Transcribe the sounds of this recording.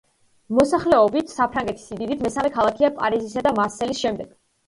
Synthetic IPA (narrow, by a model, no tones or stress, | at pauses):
mɔsaχlɛɔbit̪ʰsapʰɾaŋɡɛt̪ʰi̥sid̪id̪it̪ʰmɛsamɛkʰalˠakʰiapʼa̰ɾizisad̪amaɾsɛlisʃɛmd̪ɛɡ̥